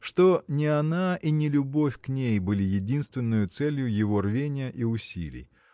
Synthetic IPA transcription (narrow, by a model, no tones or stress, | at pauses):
ʂt̪o̞nʲɪɐnaʔinʲɪlʲʊbo̞fʲknʲejbɨlʲɪjɪdʲinst̪vʲɪnːɨjʊt̪sɛlʲjʊjɪvo̞rvʲenʲɪjəʔiʊsʲḭlʲɪ̰j